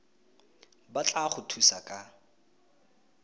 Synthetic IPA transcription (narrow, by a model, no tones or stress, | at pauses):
bat͡ɬʼaχʊtʰusakʼa